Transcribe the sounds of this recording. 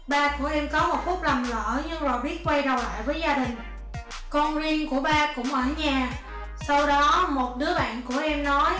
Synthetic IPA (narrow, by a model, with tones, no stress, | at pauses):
ɓaː˧ku˧˩əʔɛ˧mkɔ˨˦mo˨˩t̚fʊ˦˥k͡p̚la˨˩mlə̰ː˧˨˩ɲɨ˧ŋzo˨˩jɓi˦˥ət̚kwə˧jɾa˨˩wla̰ː˧˨jvəː˨˦jzaː˧ɗï˨˩ŋ̟ | kɔ˧nzi˧nku˧˩əɓaː˧kʊ̰˧˥ŋ͡mʔəː˧˩ɲaː˨˩ | sa˧wɗɔ˨˦mo˨˩t̚ɗɨ˨˦əɓa̰ː˧˨nku˧˩əʔɛ˧mnɔ˨˦j